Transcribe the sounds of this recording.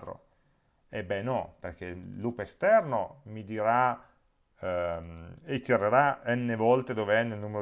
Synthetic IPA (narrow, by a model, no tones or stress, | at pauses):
t̪ɾo̰ | ebɛnɔperkelːuːpeest̪ɛrnomid̪iɾa | ek̪ːjaɾeɾaɛnːevɔlt̪ed̪oːveɛnːelnuːmeɾo